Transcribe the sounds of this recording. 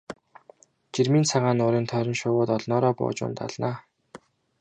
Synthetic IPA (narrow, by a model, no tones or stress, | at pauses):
t͡ɕirmiːnt͡sʰaʁaːnʊːɾiːnt̪ʰœɾʲɪ̆mʃʊːwʊːt̪ɔɮnɔːɾɔːpʊ̰ːt͡ɕʊ̰nt̪a̰ɮnaː